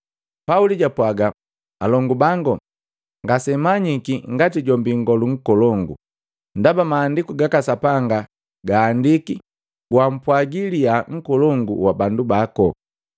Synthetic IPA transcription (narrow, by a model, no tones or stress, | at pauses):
pauliɟapwaɡa | alɔŋɡubaŋɡɔ | ŋɡasɛmaɲikiŋɡatiɟɔmbiŋɡɔluŋ̩kɔlɔŋɡṵ | ndabamaːndikuɡakasapaŋɡa | ɡaːndiki | ɡwam̩pwaɡilijaŋ̩kɔlɔŋɡuwabandubakɔ